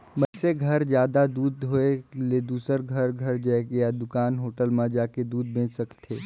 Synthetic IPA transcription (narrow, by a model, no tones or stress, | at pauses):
mɐseɡʱɐɾd͡ʒjaːd̪ad̪uːd̪ɦoeled̪uːsəɾɡʱɐɾɡʱɐɾd͡ʒaɡjad̪ʊkaːnɦoːʈəlmãd͡ʒaːked̪uːd̪̚bẽːt͡ʃsɐkt̪ʰeː